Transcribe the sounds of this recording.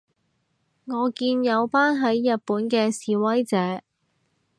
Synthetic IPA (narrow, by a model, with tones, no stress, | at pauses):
ŋɔː˨˧kiː˧njɐ˨˧wpaː˥nɦɐ˨˥jːɐ˨t̚puː˨˥nkɛː˧siː˨wɐ˥jt͡sɛː˨˥